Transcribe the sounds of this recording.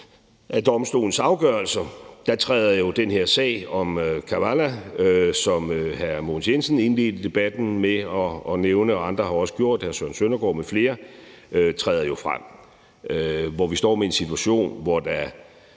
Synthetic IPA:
ʔæd̥ɒ̽msd̥o̝̰ːln̩sɑ̈ʊɡ̥ɶːɐlsɐd̥ɑ̈t͡sʰʁɛ̰ːðˠɐjo̝d̥enhe̝ɐsɛ̰ːɪɒ̽mkʰæʋælæsɒ̽møhæɐmoːnsjensn̩e̝nle̝̰ːd̥d̥e̝b̥æd̥n̩meɒ̽ːneʊnəɒɑ̈nd̥ʁɐɦɑ̈ɒ̽sə̥ɡ̥jo̝ɐ̰d̥hæɐsøɐnsønɐɡ̥ɒ̰ːmefle̝ːɐ | øt͡sʰʁɛ̰ːðˠɐjo̝fʁam̰ | ʋɒʋisd̥ɒ̰ːmee̝nsit͡sʰuæɕo̝̰ːnʋɒd̥ɑ

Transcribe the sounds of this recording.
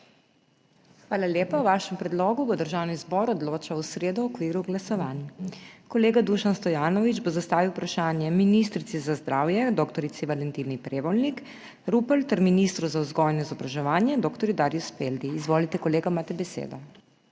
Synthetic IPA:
xʋaːlalʲjeːpawʋaːʃɛmpɾɛd̪lɔːɡuʋɔd̪əɾʒawnizbɔːɾɔd̪loːt͡ʃawsɾeːd̪uɔkʋiːɾuɡlasɔʋaːnkɔleːɡad̪uʃanst̪ɔjaːnɔʋid͡ʒbozast̪aːʋiwpɾaʃaːnjɛminist̪ɾit̪sizazd̪ɾaːwjɛd̪ɔkt̪ɔɾit̪siʋalɛnt̪iːnipɾeːʋɔlnik | ɾupəlt̪ɛɾminist̪ɾuzauzɡɔjnɔizɔbɾaʒɛʋaːnjɛd̪ɔːkt̪ɔɾjud̪aːɾjuspeld̪iːzʋoːlit̪ɛkɔleːɡamaːt̪ɛbɛsḛːd̪ɔ

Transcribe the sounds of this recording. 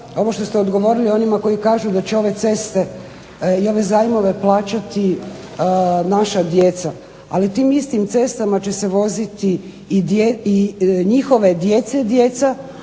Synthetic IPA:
o̞ʋo̞ʃt̪o̞st̪eo̞d̪ɡo̞ʋo̞ɾilio̞nimako̞jikaːʒud̪at͡ɕeo̞ʋe̞t̪se̞st̪e̞ | io̞ʋe̞zaːjmo̞ʋe̞plˠaːt͡ʃat̪i | naʃad̪je̞t̪sa | a̰lit̪iːmist̪imt̪se̞st̪amat͡ɕe̞se̞ʋo̞zit̪iː | d̪eiɲixo̞ʋe̞d̪je̞t̪se̞d̪je̞t̪sa

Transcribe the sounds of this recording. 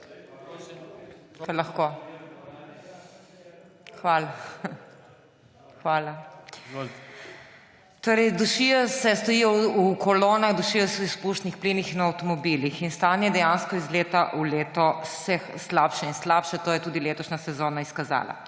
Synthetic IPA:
kalɐxko | xʋaːla | xʋaːla | t̪oːɾɛjd̪uʃijɔsɛst̪ɔjiːjɔukɔloːnaɣd̪uʃijɔsɛispuʃt̪nixplinixinɐwt̪ɔmɔbilixinst̪aːnjɛd̪ɛjanskɔizleːt̪aʔuleːt̪ɔsɛxslaːpʃɛinslaːpʃɛt̪oːjɛt̪uːd̪ileːt̪ɔʃnasɛzoːnaiskaza̰ːla̰

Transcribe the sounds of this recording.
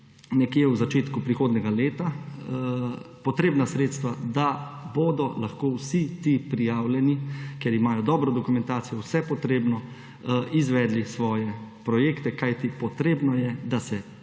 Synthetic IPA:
nɛkjewzat͡ʃeːt̪kupɾixoːd̪nɛɡaleːt̪a | pɔt̪ɾeːbnasɾeːt̪st̪ʋad̪aboːd̪ɔlaxkoːwsit̪ipɾijaːwljɛnikjɛɾimaːjɔd̪ɔbɾɔd̪ɔkumɛ̃nt̪aːt̪sijɔwsɛpɔt̪ɾeːbnɔ | izʋɛːd̪lisʋɔːjɛpɾɔjeːkt̪ɛkajt̪ipɔt̪ɾeːbnɔjɛd̪asɛ

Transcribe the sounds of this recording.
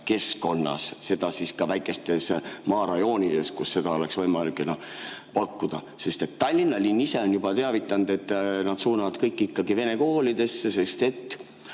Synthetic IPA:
ke̞sko̞nːɑ̰sse̞d̪̥ɑsiskɑvæjkːˑe̞st̪e̞smɑːɾɑjo̞ːnʲid̪̥e̞skusːe̞d̪ɑo̞le̞ksvɤjmɑlikːˑenɑpɑkːud̪̥ɑ̰ | se̞st̪e̞t̪ːɑlʲːinːɑlʲinːise̞o̞njub̥ɑt̪e̞ɑvit̪ːˑɑnd̪̥e̞t̪ːˑnɑd̪̥suːnɑvɑd̪kɤjkːˑikːɑɡive̞ne̞ko̞ːlid̪̥e̞sːese̞st̪e̞t̪ː

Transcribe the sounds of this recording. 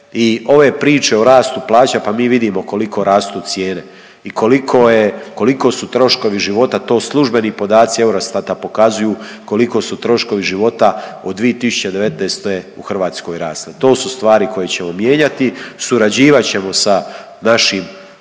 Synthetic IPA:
io̞ʋe̞pɾiːt͡ʃe̞oɾaːst̪uplˠaːt͡ɕapamiːʋid̪imo̞ko̞likʰo̞ɾaːst̪ut̪sje̞ːne̞ | ikʰo̞likʰojeko̞liko̞sut̪ɾo̞ʃko̞ʋiʒiʋo̞t̪at̪o̞ːslˠuʒbe̞nipo̞d̪aːt̪sie̞wɾost̪at̪apo̞kazujuː | ko̞liko̞sut̪ɾo̞ʃko̞ʋiʒiʋo̞t̪aod̪ʋiet̪isu̥t͡ɕed̪eʋe̞t̪neːst̪ojeuxr̩ʋaːt̪sko̞jɾaːst̪et̪o̞ːsust̪ʋaːɾiko̞je̞t͡ɕe̞mo̞mje̞ːɲat̪isuɾad͡ʑiːʋat͡ɕe̞mo̞sa | naʃim

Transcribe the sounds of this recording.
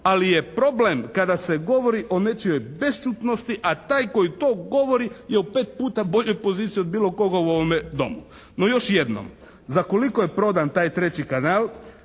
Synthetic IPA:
alijepɾo̞blemkad̪ase̞ɡo̞ʋo̞ɾiʔo̞net͡ʃijo̞jbe̞st͡ʃuːt̪no̞st̪iʔat̪aːjko̞jit̪o̞ːɡo̞ʋo̞ɾijeupe̞ːt̪̚puːt̪abo̞ʎo̞jpo̞ziːt̪sijiod̪biːlo̞ko̞ɡauoʋomed̪o̞̰mu | no̞jo̞ʃjed̪no̰m | zakolikojepɾo̞d̪ant̪aːjt̪ɾe̞t͡ɕikanaːlˠ

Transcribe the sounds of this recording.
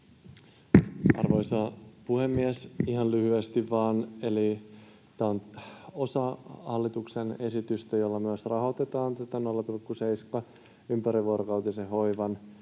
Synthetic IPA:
ɑ̰rʋo̞jsɑpuhe̞mːiesiɦɑnlyhyest̪iʋːɑːne̞li | t̪æːono̞sɑhɑlːit̪uksene̞sit̪yst̪æjo̞lːɑmyøsrɑɦo̞t̪e̞t̪ɑːnt̪æt̪ːænolːɑt̪ulkːuseiskɑ | ympæɾiʋuoɾokɑwt̪iseɦo̞jʋɑn

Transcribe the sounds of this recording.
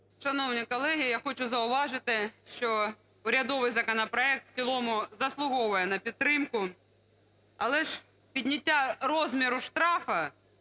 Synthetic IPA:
ʃɐnɔwnʲikɔlˠɛɦʲijaxɔt͡ʃʊzɐʊʋɑʒɪt̪ɪʃt͡ʃɔ | ʊɾʲɐd̪ɔʋɪjzɐkɔnɐpɾɔɛk̚t̪w̥t͡sʲilˠɔmʊzɐslˠʊɦɔʋʊjɛnɐpʲidt̪t̪ːɾɪmkʊ | ɐlˠɛʒ | pʲidʲnʲɐtʲːaɾɔzʲmʲiɾʊʃt̪ɾɑfɐ

